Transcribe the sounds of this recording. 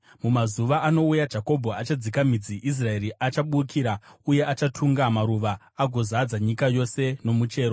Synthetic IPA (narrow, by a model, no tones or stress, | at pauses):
mumazuʋaʔano̞ujad͡ʒako̞bʱoat͡ʃad͡zikamid͡ziʔis̬rae̞ɾiʔat͡ʃaɓukʰiːɾauje̞ʔat͡ʃatʰuŋɡamaɾuʋaː | ɡʱo̞zad͡zaɲikajo̞se̞no̞mut͡ʃe̞ːɾo